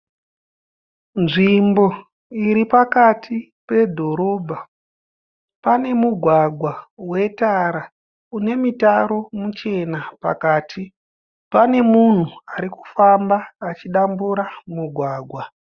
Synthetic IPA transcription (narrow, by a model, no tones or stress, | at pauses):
nʐimbo̞ | iɾipakatʰi | pe̞dʱo̞ɾo̞bʱa | pane̞muɡʱwaɡʱwawe̞taɾa | une̞mitaɾo̞mut͡ʃe̞napa̰kaːtʰi | pane̞mun̤uaɾiku̥fambaːt͡ʃiɗambuɾamuɡʱwaːɡʱwa